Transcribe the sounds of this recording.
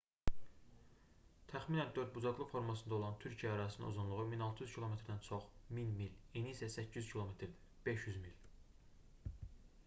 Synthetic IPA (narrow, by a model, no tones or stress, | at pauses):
t̪ʰæχminænd̪ø̞ɾd̪̚bud͡ʒɑɡlˠɯfo̞ɾmɑsɯnd̪ɑo̞lˠɑnt̪ʰyɾcʰijææɾɑininozunlˠuʁuminɑlˠt̪ʰɯjyz̥cʰilˠo̞me̞t̪ɾd̪ænt͡ʃʰoχminmiliniːsæsæcʰːyzcʰilˠo̞met̪ʰɾ | b̥e̞ʃjyzmil